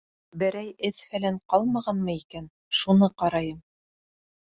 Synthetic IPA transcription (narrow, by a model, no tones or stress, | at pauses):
bɘ̆ɾæjɘðfælæɴqɑlˠmɑʁɑnmɤikæn | ʃunɤqɑɾɑjɤm